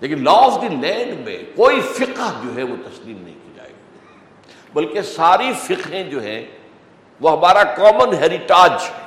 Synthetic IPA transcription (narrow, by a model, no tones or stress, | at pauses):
leːkɪnlɔːfd̪ilɛ̃ːɳɖmḛ̃koːifɪqəɦd͡ʒoːɦɛʋot̪ɐsliːmnɐ̰ɦĩkid͡ʒa̰ːḛːɡiː | bɐlkesaːɾifɪqɦẽd͡ʒoːɦɛ̰̃ | ʋoɦɐmaːɾakɔːmənɦeːɾɪʈaːd͡ʒ